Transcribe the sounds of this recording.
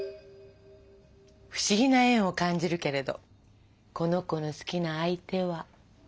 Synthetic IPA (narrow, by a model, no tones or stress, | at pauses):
ɸɯ̟̥ɕiɡʲinaẽ̞ɰ̃o̞kãɲ̟d͡ʑiɾɯ̟ke̞ɾe̞d̪o̞̰ | ko̞no̞ko̞no̞sɨ̥kʲinaːit̪e̞βa